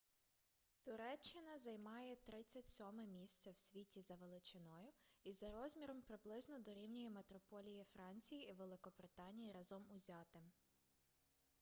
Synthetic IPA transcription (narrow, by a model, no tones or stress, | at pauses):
t̪ʊɾɛt͡ʃːɪnɐzɐjmɑjɛt̪ɾɪt͡sʲːɐtʲsʲɔmɛmʲisʲt̪sʲɐwsʲʋʲitʲizɐʋelˠɪt͡ʃɪnɔjʊizɐɾɔzʲmʲiɾɔmpɾɪblˠɪznɔd̪ɔɾʲiwnʲɔjimet̪ɾɔpɔlʲijifɾɑnʲt͡sʲijiiʋelˠɪkɔbɾɪt̪ɑnʲijiɾɑzɔmʊzʲɑt̪ɪm